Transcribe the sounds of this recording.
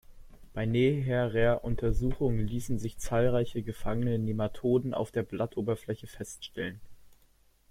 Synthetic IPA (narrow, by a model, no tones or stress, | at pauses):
b̥aɪneɦɛʁeːɐʔʊntʰɐzuːxʊŋənliːsn̩zɪçt͡saːlʁaɪçəɡəfaŋənnənematʰoːdn̩a̰ʊfd̥eːɐblatʔoːbɐflɛçəfɛstʃtɛlən